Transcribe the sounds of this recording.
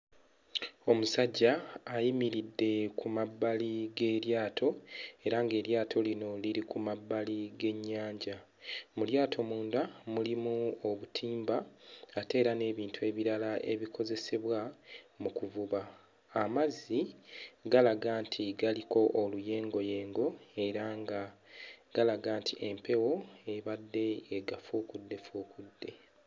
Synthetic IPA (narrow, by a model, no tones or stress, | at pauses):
o̞musaɟːaːjimiɾidːe̞kʰumabːaliɡe̞ːɾjaːtʰo̞e̞ɾaŋɡe̞ːɾjaːtʰo̞lino̞liɾikumabːaliɡe̞ɲːaːɲɟa | muljaːtʰo̞muːndamulimuo̞βutʰiːmbaːte̞ːɾane̞ːβiːntʰue̞ːβiɾalaʔe̞̰βikʰo̞ze̞se̞βwamukuvuβaː | maziɡalaɡaːntʰiɡaliko̞ʔoluje̞ːŋɡo̞je̞ːŋɡo̞e̞ɾaŋɡaɡ̥alaɡaːntʰiʔe̞mpe̞wo̞e̞βadːe̞ːɡafuːkudːe̞fuːkudːe̞